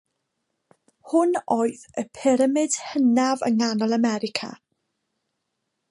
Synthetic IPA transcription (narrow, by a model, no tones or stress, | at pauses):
hʊnoːɨðəpʰɪɾəmɨd̥hənavə̰ŋanɔlˠəmɛɾɪkʰa̰